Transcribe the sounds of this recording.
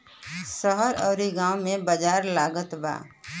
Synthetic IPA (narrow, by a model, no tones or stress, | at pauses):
səɦəɾɔːɾiɡãːwmẽbəd͡ʒaːɾlaːɡət̪ba̰ː